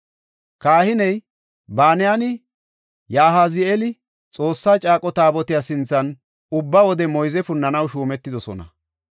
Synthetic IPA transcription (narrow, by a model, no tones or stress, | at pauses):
kaːhɪnɛj | baːnɪjanɪ | jaːɦazɪɛlɪ | t͡sʼo̞ːsːaːt͡ʃʼaːkʼɔt̪aːbɔt̪ɪjasɪnt͡sːɐn | ʊbːɐwɔd̪ɛmɔjzɛfʊnːɐnɐwʃuːmɛt̪ːɪd̪ɔsɔ̰nɐ̰